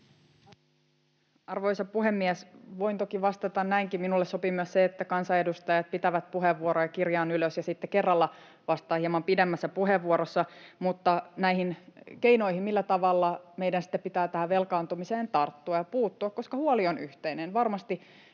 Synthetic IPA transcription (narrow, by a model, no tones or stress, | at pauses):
ɑrʋojsɑpuɦemːiæsʋoint̪okiʋɑst̪ɑt̪ɑnnæiŋkiminulːessopimyøsseet̪ːækɑnsɑedust̪ɑjɑt̪̚pit̪æʋæt̪̚puɦeʋːuoɾojɑkirjɑːnyløsjɑsit̪ːekerːɑlːɑ | ʋɑst̪ɑːhiemɑmpidemːæsːæpuɦeʋːuoɾosːɑmut̪ːɑnæihinke̞ino̞ihimmilːæt̪ɑʋɑlːɑmejdænsi̥t̪ːepːit̪æːt̪æhæʋelkɑːnt̪umiseːnt̪ɑrt̪ːuɑjɑpuːt̪ːuɑkko̞skɑhuolionyht̪einenʋɑrmɑst̪i